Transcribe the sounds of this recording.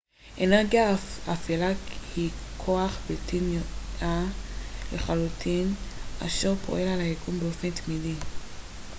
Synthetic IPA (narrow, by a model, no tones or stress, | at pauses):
ʔeneʁɡjaafelahikʰoaχbeltʰinja | leχalutʰina̰ʃeʁpʰo̞̰ʔe̞lalajeɡumbeo̞fe̞ntmidi